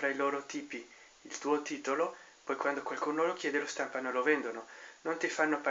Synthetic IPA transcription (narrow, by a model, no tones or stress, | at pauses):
fɾailoːɾot̪iːpiː | lt̪uːot̪iːt̪olo | pɔjkwand̪okwalkuːnolok̟jɛːd̪elost̪ampanolovɛnd̪ononont̪ifanːopa